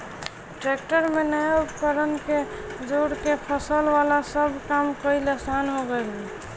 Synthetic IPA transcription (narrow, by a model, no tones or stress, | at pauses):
ʈɾek̚ʈəɾmenəjaupkəɾənke | d͡ʒoɽkepʰəsəlʋalasəbʱkamkəilesanɦoɡəlɦi